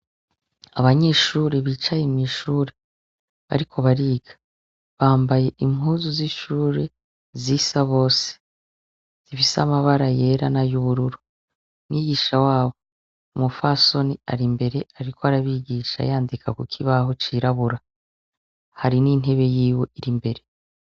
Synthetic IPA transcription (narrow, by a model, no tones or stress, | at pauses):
aβaɲe̞ːʃuːɾeβiːt͡ʃajemŋiʃuːɾe̞ | βa̰ɾikʰo̞βaɾiːɡ̥ḁ | βaːmbaje̞ʔimhuːzuziʃuːɾe̞ | zisaβo̞ːse̥ | z̥ifisamaβaɾaje̞ːɾanajuβuɾuɾu | niːɡiːʃawaːβo̞ | umufaso̞nia̰ɾimbe̞ɾe̞aɾikoaɾaβiːɡiːʃa̰jaːndikʰakukʰiβaɦo̞t͡ʃiːɾaβuɾa | haɾinin̥ɦe̞βe̞jiːwo̞ʔiɾimbe̞ɾe̞